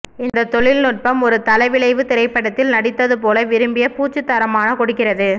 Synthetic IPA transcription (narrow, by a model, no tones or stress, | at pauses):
ɪnd̪ɐt̪ɔɭɪlnʊʈ̚pɐmɔɾɯt̪ɐlɐɪʋɪɭɐɪʋɯt̪ɪɾɐɪpːɐɽɐt̪ːɪlnɐɽɪt̪ːɐðɯpoːlɐʋɪɾɯmbɪjɐpuːt͡ʃːɯt̪ːɐɾɐmaːnɐkɔɽɯkːɪrɐðɯ